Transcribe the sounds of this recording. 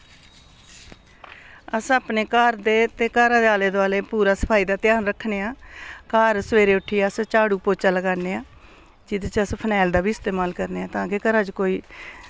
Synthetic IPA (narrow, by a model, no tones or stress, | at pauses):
əsaːpneːkaːɾd̪eːt̪eːkaːɾãːd̪eaːleːd̪aːleːpuːɾaːsə̥pʰaːiːd̪aːt̪ɪjaːnɾəkʰːneːaːkaːɾsəʋeːɾeːʊʈʰiːjaːst͡ʃaːɽuːpoːt͡ʃaːləɡaːneːaː | d͡ʒɪd̪t͡ʃəspʰənɛːld̪aːbiːɪst̪eːmaːlkəɾneːaːt̪ãːkeːkəɾaːd͡ʒkoːiː